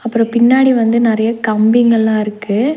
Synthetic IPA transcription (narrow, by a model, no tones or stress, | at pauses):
ɐpːɯɾɔ̃pɪnːaːɽiʋɐnd̪ɯnɪɾɐjɐkɐmbɪŋɡɐɭlãːɪɾɯkːɯ